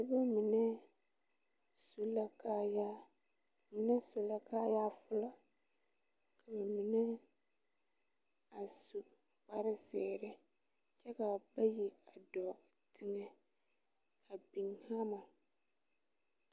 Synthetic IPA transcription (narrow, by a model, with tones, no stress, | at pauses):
bɛ˨bɛ˦mĩ˨nɛ̃˦ | su˨la˨kʰa˦ja˦˨ | mĩ˨˦nɛ̃˦su˨la˦kʰaː˦ja˦fʊ˨lɔ˦ | kʰa˨bɛ˨mĩ˨nɛ̃˦ | a˨su˨ | k͡pa˨ɾɪ˦sɪː˨ɾɪ˦ | t͡ʃʰɛ˦ka˨bɛ˦ji˨a˨dɔ˨ | tʰɪ˦ŋɛ̃˨ | a˨bĩ˨ŋhã˦mã˨